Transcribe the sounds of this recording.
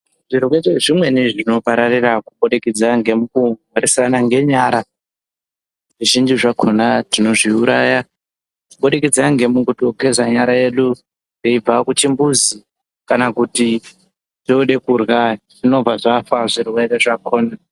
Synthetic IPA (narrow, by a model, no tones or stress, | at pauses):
ʐ̥iɾweeʐimwe̞niʐino̞paɾarirakuɓoɗekid͡zaŋɡe̞mukuŋwaɾisanaŋɡe̞ɲaːɾa | ʐiʒind͡ʒiʐakʰo̞natino̞ʐiuɾaja | uɓoɗikid͡zaŋɡe̞muɡutoke̞zaɲaɾaje̞ɗu | deib͡vakut͡ʃimbuzi | kanakuti | touɗe̞kurɣaʐino̞b͡vaʐafaʐirwereʐakʰo̞ːna